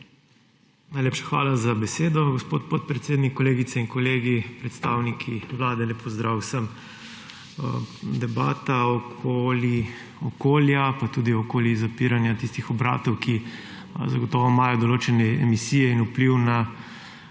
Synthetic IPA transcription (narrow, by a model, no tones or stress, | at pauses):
najlʲeːpʃḁxʋa̰ːlazabɛseːd̪ɔɡɔspot̪̚pot̪̚pɾɛt̪seːd̪nikːɔleːɡit̪sɛinkɔleːɡipɾɛt̪st̪aːwnikʰiʋlaːd̪ɛlepʰɔzd̪ɾawsəm | d̪ɛbaːt̪aɔkʰoli | ɔkoːljapat̪uːd̪iɔkoːljizapiɾanjat̪ist̪ixɔbɾa̰ːt̪ɔwki | zaɡɔt̪ɔʋɔmaːjɔd̪ɔloːt͡ʃɛnɛɛ̰misiːjɛinupliwna